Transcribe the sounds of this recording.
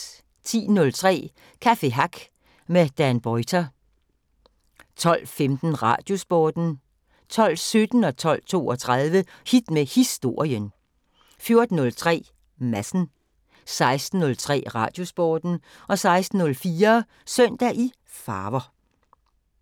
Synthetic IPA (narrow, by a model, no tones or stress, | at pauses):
t͡sʰḭːnɔ̽lt͡sʰʁɛ̰ː | kʰæfe̝ɦɑɡ̥ | med̥ænb̥ɒɪt͡sʰæ | t͡sʰɒ̽l̰femd̥n̩ʁɑ̰̈d̥jo̝sb̥ɒːd̥n̩ | t͡sʰɒ̽l̰sød̥n̩ɒ̽t͡sʰɒ̽l̰t͡sʰo̝̰ːɒ̽t͡sʰʁaðˠʋəhid̥mehisd̥o̝ɐ̰jən | fjo̝ɐd̥n̩ɔ̽lt͡sʰʁɛ̰ː | mæsn̩ | sɑ̈ɪsd̥n̩ːɔ̽lt͡sʰʁɛ̰ːʁɑ̈ːd̥jo̝sb̥ɒːd̥n̩ɒ̽sɑ̈ɪsd̥n̩ːɔ̽lfiːɐ | sœn̰d̥æʔi | fɑːʋɐ